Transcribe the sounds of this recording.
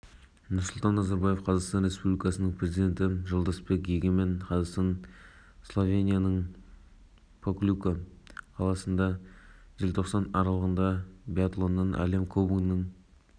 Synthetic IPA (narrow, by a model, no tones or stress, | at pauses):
nʊɾsʊlˠt̪ɑnːɑzɑɾbɑje̞fqʰɑzɑqst̪ɑnɾe̞spublʲijkɑsənəɴpʰrʲe̞zid̪ʲe̞nt̪ɪʒəlˠd̪ɑspe̞kʒeɡʲeme̞nqʰɑzɑst̪ɑn | slˠo̞vʲenʲijanəɴ | pʰoklʲukəqʰɑlˠɑsənd̪ɑʒelʲt̪ʰo̞qsɑnɑɾɑlˠəʁənd̪ɑbiat̪lˠo̞nːɑnʔæ̰le̞mkʰobunəɴ